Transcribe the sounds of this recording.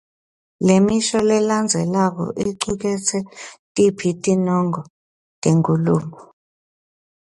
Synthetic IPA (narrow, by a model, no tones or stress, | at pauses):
lemiʃɔlɛland͡zʱɛlak̬ɔ̰ʔiǀuk̬ɛt͡sʰɛtʼipʰitʼinɔŋɔ | tʼeŋkʼuluːmɔ